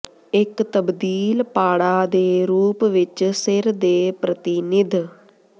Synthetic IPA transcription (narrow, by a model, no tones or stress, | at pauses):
ɪkt̪əbd̪iːlpaːɽaːd̪eːɾuːpʋɪt͡ʃsɪɾd̪eːpɾət̪ɪnɪd̪